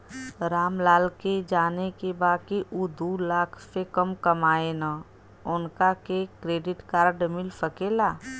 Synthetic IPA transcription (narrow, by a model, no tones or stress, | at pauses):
ɾaːmlaːlked͡ʒaːnekebaːkiʔud̪ulaːkʰsekəmkɐmaːena | ʊnkakekɾeːɖɪʈkaːɾɖmɪlpəkeːlaː